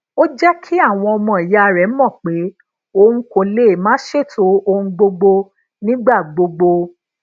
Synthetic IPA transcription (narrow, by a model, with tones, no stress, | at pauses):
o˦d͡ʒɛ˦kʰi˦a˦˨w̃ɔ̃˧ɔ˧mɔ̃˨i˨ja˨˦˨ɾɛ˨˦mɔ̃˦˨k͡pe˨˦ | o˧ũ˦ko˧le˦˨mãː˨˦ʃe˦˨tʰo˨˦o˧ũ˧ɡ͡bo˧ɡ͡bo˧ | nĩ˦ɡ͡ba˦˨ɡ͡bo˧ɡ͡bo˧